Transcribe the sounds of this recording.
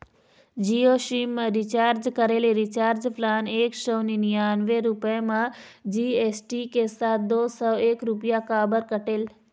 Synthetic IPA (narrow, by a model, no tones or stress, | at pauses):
d͡ʒioʃimːãɾit͡ʃaːɾd͡ʒkəɾeleɾit͡ʃaːɾd͡ʒpʰlaːneːkʃəwninijaːnʋeɾupemãd͡ʒiesʈikesaːt̪̚d̪oːsɔːeːkɾupjakaːbəɾkəʈeːl